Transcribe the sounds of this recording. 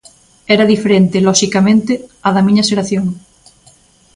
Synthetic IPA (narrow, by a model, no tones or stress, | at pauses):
ɛɾaðifeɾẽnt̪elɔʃikamẽnt̪eaðɐmĩɲaseɾaθjoŋ